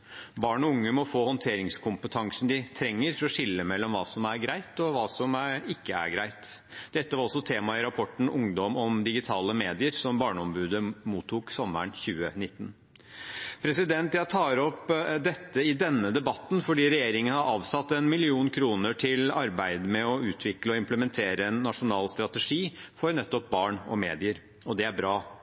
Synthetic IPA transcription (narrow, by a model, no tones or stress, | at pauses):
bɑːɳɔʊŋːəmɔfoːhɔnt̪ʰeːɾɪŋskʰʊmpət̪ʰɑŋsn̩d̪ɪt̪ʰɾɛŋːəɾfɔɾɔʂɪlːəmɛlːɔmʋɑːsɔmæɾɡɾæɪt̪ɔʋɑːsɔmæɪkːəæ̰ɾɡɾæɪt̪d̪̥ɛt̪ːəʋɑɾɔsɔt̪ʰeːmɑɪɾɑpʰɔʈn̩ʊŋd̪ɔmɔmd̪ɪɡɪt̪ʰɑːləmeːd̪ɪəɾsɔmbɑːɳəɔmbʉːd̪əmuːt̪ʰːuːksɔmːə̰ɳçʉːənɪt̪ːn | pʰɾɛsɪd̪ɛnt̪jæt̪ʰɑːɾɔpd̪ɛt̪ːəɪd̪ɛnːəd̪ɛbɑt̪ːnfɔɖiːɾɛjeːɾɪŋənhɑɾɑːʋsɑt̪ːɛnmɪlɪuːnkʰɾuːnəʈʰɪlɑɾbæɪd̪mɛɔʉːt̪ʰʋɪkləɔɪmpləmɛnt̪ʰeːɾəɛnːɑʂʊnɑːlst̪ɾɑt̪əʂiːfɔɾnɛt̪ːɔp̚bɑːɳɔmeːd̪ɪəɾ | ɔd̪ɛæɾbɾɑː